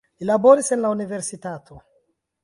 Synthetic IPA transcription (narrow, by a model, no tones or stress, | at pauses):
lilaboɾisenlauniveɾsitatʰo